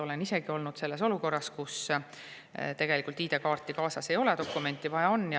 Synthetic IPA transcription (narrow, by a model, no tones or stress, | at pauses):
o̞le̞nise̞ɡ̥io̞lnud̪̥se̞lːe̞s̬o̞luko̞rːɑskus | t̪e̞ɡ̥e̞likːˑult̪iːd̪e̞kɑːrt̪ːˑikɑːsɑse̞jo̞led̪o̞kːume̞nʲt̪ːˑivɑjɑo̞nːj